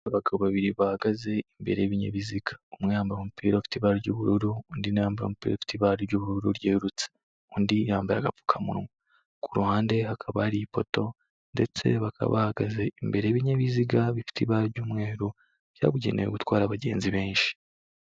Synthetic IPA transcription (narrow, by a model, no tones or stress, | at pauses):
βaɡaβoβaβiɾiβahaɡaze̞imbe̞̰ɾejeβiɲḛβiziɡḁomŋejaːmbaɾomupʰiːɾafi̥tiβaɾiɾɟuβuɾuɾuundinejaːmbaɾo̰mupiːɾafi̥tiβaɾiɾɟuβuɾuɾuɾjeːɾut͡se̥ | undijaːmbajaɡapu̥kʰamṵɾŋo | kʰuɾuhaːnde̞hakʰaβaːɾipoto̞ | nde̞t͡se̞βakʰa̰βa̰haɡaze̞imbe̞ɾejeβiɲaβiziɡaβifi̥tʰiβaɾɟuːmŋe̞ːɾu | β̥ja̰ːɡuɟe̞̰nejeɡutwaːɾaβaɟe̞̰ːnziβe̞ːnʃi̥